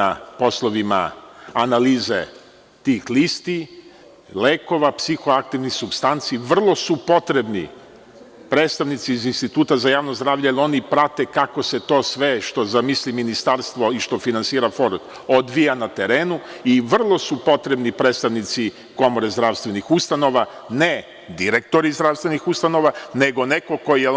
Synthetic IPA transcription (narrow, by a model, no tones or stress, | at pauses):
apo̞slˠoʋima̰analiːze | t̪iːxlist̪i | leːko̞ʋapsixoak̚t̪iʋnixsubst̪ant̪siːʋr̩lˠo̞supo̞t̪ɾe̞bnḭ | pɾeːt̪st̪aʋnit̪siːzinst̪it̪uːt̪azajaːʋnozd̪ɾaːʋʎejelo̞nipɾat̪e̞kako̞se̞t̪o̞ːsʋe̞ʃt̪o̞zamisliminist̪aɾst̪ʋo̞iʃt̪o̞finansiːɾafo̞ɾt̪ | od̪ʋijanat̪e̞ɾe̞ːnuiʋr̩lˠo̞supo̞t̪ɾe̞bnipɾeːt̪st̪aʋnit̪si | ko̞mo̞ɾezd̪ɾaʋst̪ʋe̞nixust̪ano̞ʋa | ne | d̪iɾe̞k̚t̪o̞ɾizd̪ɾaʋst̪ʋenixust̪ano̞ʋane̞ɡo̞neko̞ko̞jije